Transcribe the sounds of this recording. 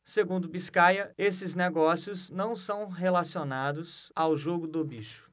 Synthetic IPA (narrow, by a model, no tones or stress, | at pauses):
seɡũnd̪ʊbiskajɐesɪzneɡɔsiʊznɐ̃w̃sɐ̃w̃ɦelasionad̪ʊzawʒoɡʊd̪ʊbiʃʊ̥